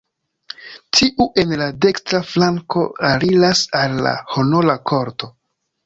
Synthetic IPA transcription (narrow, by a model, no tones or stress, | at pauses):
tʰiʔuʔe̞nlade̞kstɾaflaŋko̞aɾilasalːa̰ho̞no̞lakʰo̞ɾto̞